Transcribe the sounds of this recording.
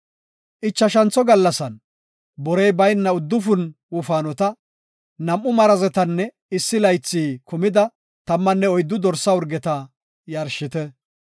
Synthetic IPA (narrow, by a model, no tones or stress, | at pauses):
ʔɪt͡ʃːɐʃɐnt͡sɔɡɐlːɐsɐn | bɔɾɛjbɐjnːɐʊd̪ːʊfʊn | wʊfaːnɔt̪ɐ | nɐmʔːʊmɐɾɐzɛt̪ɐnːɛ | ɪsːɪlɐjt͡sːiːkʊmɪd̪ɐ | t̪ɐmːɐnːɛɔjd̪ːʊd̪ɔɾsːɐwʊɾɡɛt̪ɐ | jɐɾʃɪt̪ɛ